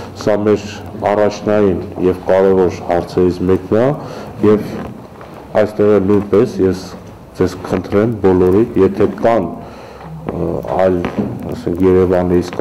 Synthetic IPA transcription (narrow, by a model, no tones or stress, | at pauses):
sɑmɛɾɑrɑt͡ʃʰnɑjinjɛvkɑɾɛvɔɾhɑɾt͡sʰɛɾit͡sʰmɛknɑjɛv | ɑjst̪ɛʁɛnujnpɛsjɛs | d͡zɛzkəχənt̪ʰɾɛmbɔlɔɾinjɛt̪ʰɛkɑn | ɑ̰jlɑ̰sɛŋkʰjɛɾɛvɑnɛɾit͡sʰk